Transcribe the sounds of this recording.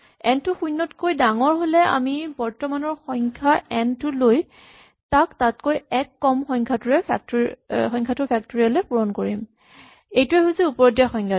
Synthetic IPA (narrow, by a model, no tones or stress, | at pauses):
ɛntʊxujnːɔtkojdaŋɔɹɦolɛa̰mibɔɹtɔmanɔɹxɔŋkʰaɛntʊloj | taktatkojɛkːɔmxɔŋkʰatʊɹɛpʰak̚txɔjŋkʰatʊpʰak̚toɹialepuɹɔnkoɹim | ejtuɛɦuziupɔɹɔdjaxɔjŋkʰa